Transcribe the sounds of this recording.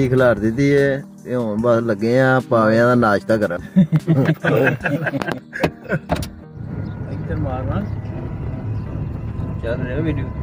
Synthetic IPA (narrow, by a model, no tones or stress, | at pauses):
iːkʰəlaːɾd̪ɪt̪ːiːɛː | õːnbaləɡːẽːãːpaːʋeãːd̪aːnaːʃt̪aːkəɾãː | d̪əɾmaːãː | t͡ʃəlɾeaːʋiːɖioː